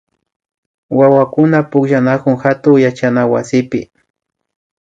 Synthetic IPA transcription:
wawakʊnapʊkʃanakʊŋxat̪ʊŋjat͡ʃanawa̰sɪpɪ̰

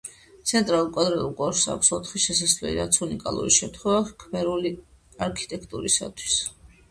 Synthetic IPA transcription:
t̪sʰɛnt̪ʼɾalˠulˠkʼwad̪ɾɛlukʼɔɾsa̰ksɔt̪ʰχiʃɛsasvlɛ̰lḭɾat̪sʰunikʼa̰lˠṵɾiʃɛmt̪ʰχwɛvakʰmɛɾuli | aɾkʰi̥t̪ʼɛkʰt̪ʼuɾisa̰t̪ʰwi̥s

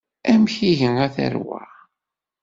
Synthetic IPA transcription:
æmçiʝənæθæ̰ɾwæ̰

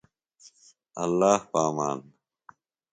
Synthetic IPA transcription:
ɐlːaːhpaːma̰ːn

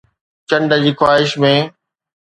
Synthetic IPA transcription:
t͡ɕə̃ɳɖəd͡ʑiːxwaːɦɪʃmẽː

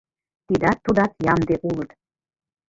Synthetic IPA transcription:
t̪id̪ɑt̪ːud̪ɑt̪jɑmd̪eʔulˠət̪

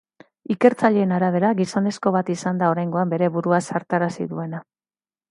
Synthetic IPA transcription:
ike̞ɾt͡saʎe̞ːnaɾaβ̞e̞ɾaɣiso̞ne̞sko̞β̞at̪isand̪aoɾajŋɡo̞ambe̞ɾe̞βuɾuasaɾt̪aɾasḭðue̞na

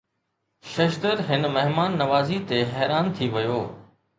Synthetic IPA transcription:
ʃɐʃd̪əɾɦɪnmɐɦmaːnːɐʋaːzit̪eɦɛːɾaːnt̪ʰiʋɐjoː

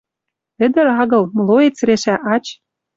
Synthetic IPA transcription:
ɘ̆d̪ɘ̆ɾɑɣɤ̆lm̆loet͡sɾeʃæʔɑt͡ɕ

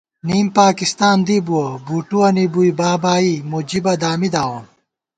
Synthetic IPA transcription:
niːmpaːkist̪aːnd̪iːbuɐbuːʈuɐnibuibaːbaːimud͡ʑibɐd̪aːmid̪aːwɐm

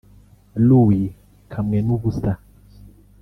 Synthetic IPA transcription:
luwi | kʰamŋɛnubusta

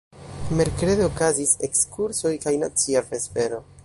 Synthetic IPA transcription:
me̞ɾkɾe̞deokazise̞kskuɾso̞jkajna̰t͡siapɾe̞spe̞ɾo̞

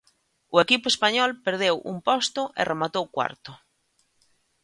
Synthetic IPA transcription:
ʊekipʊespaɲɔlpeɾð̞ewʔṵmpɔst̪ʊʔɪ̰remat̪owkwa̰ɾt̪ʊ

